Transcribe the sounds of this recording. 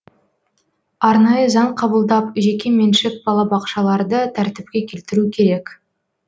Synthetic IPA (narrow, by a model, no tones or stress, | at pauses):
ɑɾnɑjəzɑɴqʰɑbəlˠd̪ɑpʒekʲe̞menʃɪk̚bɑlˠɑbɑqʃɑlˠɑɾd̪ət̪ʰæɾt̪ɪp̚kʲe̞kʲʰe̞lt̪ɪɾukʲʰe̞ɾe̞k